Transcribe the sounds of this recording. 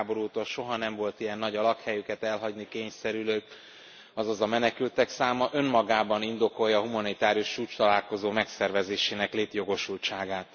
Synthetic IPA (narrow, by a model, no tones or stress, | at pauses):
bo̞ɾuːt̪olʃo̞ɦɒnɛɱvo̞lt̪ijɛnːɒɟɒlɒkhɛjykɛt̪ɛlɦɒɟnikeːɲsɛɾyløːk | ɒzɒzɒmɛnɛkylt̪ɛksaːmɒʔø̞mmɒɡaːbɒnind̪o̞ko̞jɒːɦumɒnit̪aːɾijuʃt͡ʃuːt͡ʃt̪ɒlaːlko̞zoːmɛksɛrvɛzeːʃeːnɛkleːt̪jo̞ɡo̞ʃult͡ʃaːɡaːt̪